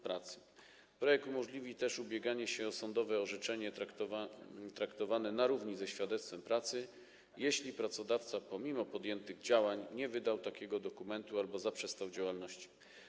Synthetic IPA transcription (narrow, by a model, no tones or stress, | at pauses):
pɾat̪sɘ̥ | pɾɔjɛk̚t̪umɔʐlʲivʲit̪ɛʂubʲjɛɡaɲɛɕɛɔsɔnd̪ɔvɛɔʐɛt͡ʂɛɲɛ | t̪ɾakt̪ɔvanɛnaɾuvɲizɛɕfʲjad̪ɛt̪st̪fɛmpɾat̪sɘ | jeɕlʲipɾat̪sɔd̪aft̪sapɔmʲimɔpɔd̪jɛnt̪ɘɣd͡ʑawaɲɲɛvɘd̪awt̪akʲɛɡɔd̪ɔkumɛnt̪ualbɔzapʂɛst̪awd͡ʑawalnɔɕt͡ɕi̥